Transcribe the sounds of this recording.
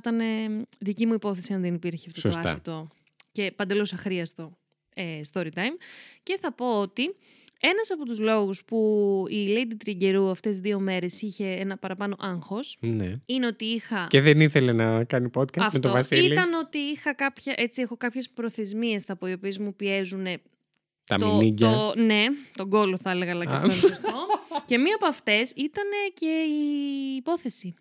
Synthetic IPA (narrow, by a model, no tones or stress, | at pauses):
t̪ɐneðicimuipo̞θe̞siɐnðenipiɾçiɐfooosɐsset̪o̞ | ce̞pɐnd̪e̞losɐxɾiɐst̪o̞ | est̪o̞ɾit̪ɐjmce̞θɐpo̞ot̪i | e̞nɐsɐpo̞t̪uzlo̞ɣuspuiled̪it̪ɾiɟe̞ɾuɐft̪e̞zðio̞me̞ɾe̞siçe̞enɐpɐɾɐpɐno̞ʔɐŋxo̞sneine̞o̞t̪iixɐceðeniθele̞nɐkɐnipot̪kɐsɐfmet̪oovɐsiiliɐno̞t̪iixɐkɐpçɐʔe̞t͡siexo̞kɐpçe̞spɾo̞θe̞zmie̞st̪ɐpoio̞pie̞zmupie̞zune̞ | t̪ɐ̰mt̪ioniɟone̞t̪o̞ŋɡo̞loθɐeleɣɐlɐcɐfonsto̞ce̞miɐpoɐft̪e̞sit̪ɐne̞ce̞iːpo̞θe̞si